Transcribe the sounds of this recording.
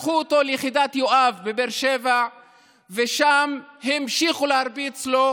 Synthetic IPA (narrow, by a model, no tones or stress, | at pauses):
χuot̪o̞lejχid̪at̪joʔavbebeɾʃeva | veʃamhimʃiχuleaɾbit͡slo̞